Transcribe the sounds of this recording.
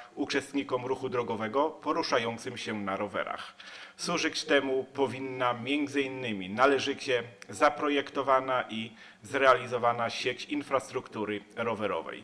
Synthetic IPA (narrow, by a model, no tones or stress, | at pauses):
ut͡ʂɛst̪ɲikɔmɾuxud̪ɾɔɡɔvɛɡɔpɔɾuʂajɔnt̪sɘmɕɛnaɾɔvɛ̰ɾa̰xswuʐɘt͡ɕt̪ɛmupɔvʲinːamʲjɛnd̪zɘinːɘmʲinalɛʐɘt͡ɕɛzapɾɔjɛkt̪ɔvanaʔi | zɾɛalʲizɔvanaɕet͡ɕinfɾast̪ɾukt̪uɾɘɾɔvɛɾɔ̰vɛ̰j